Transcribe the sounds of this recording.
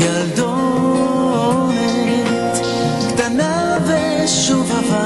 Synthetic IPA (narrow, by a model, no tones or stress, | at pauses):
jald̪o | o | nɛ | t̪ | kt̪ana | vɛ | ʃuvava